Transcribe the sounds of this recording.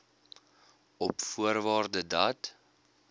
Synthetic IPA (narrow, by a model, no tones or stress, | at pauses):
ɔpfuərvɑːrdədɐt